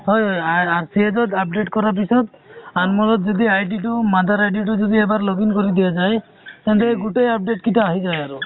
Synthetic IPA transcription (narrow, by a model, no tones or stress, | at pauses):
ɦɔjjaaɾsiɦed͡ʒɔd̪ap̚ɖeʈkɔɾap̬isɔd̪anmɔlɔt̪d͡ʒɔd̪iajʈiʈumad̪ʱaɾajɖiʈud͡ʒod̪iebaɾloɡinkɔɾid̪ijad͡ʒaj | t̪ant̪eɡuʈejap̚ɖeʈ̚kit̪ɔaɦid͡ʒajaɾu